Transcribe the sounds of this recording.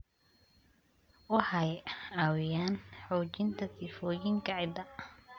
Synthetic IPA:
wɑħɑjaːwɪjaːnħɔːt͡ʃɪnt̪ʰɐsɪfɔːjɪŋkɑʕɪd̪ɐ

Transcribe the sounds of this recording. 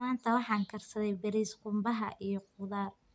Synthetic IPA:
aːnt̪ʰɐwɑħɑːŋkʰɐrsɐðɛjbɐɾiːsqʊmbɐɦɐʔijɞqʊðaːr

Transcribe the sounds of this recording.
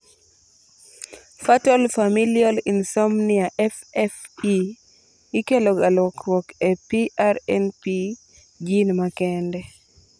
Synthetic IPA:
fatɔlfamiljɔlinsɔmniaʔɛfɛfi | ikeloɡalwɔkwɔkepiʔaɾɛnpi | d͡ʒinmakɛndɛ

